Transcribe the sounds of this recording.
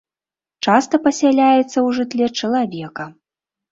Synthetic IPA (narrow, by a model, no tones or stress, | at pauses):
t͡ʂast̪ɐpɐsʲalʲajɛt̪sːɐwʐɨt̪ʲlʲɛt͡ʂɐlˠavʲɛkɐ